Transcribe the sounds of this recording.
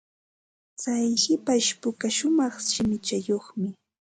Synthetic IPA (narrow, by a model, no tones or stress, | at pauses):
t͡sajʃɪpaʃpʊkaʃʊmɑχʃɪmɪt͡ʃajoχmɪ